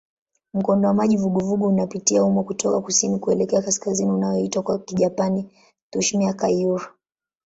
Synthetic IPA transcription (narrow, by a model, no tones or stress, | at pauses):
m̩kɔndɔwamaʄivuɡɔvuɡɔunapitiaumɔkutʰɔkakusinikuɛlɛkɛakaskaziniunajɔitwakwakiʄapani | t̪uʃmiakajuɾa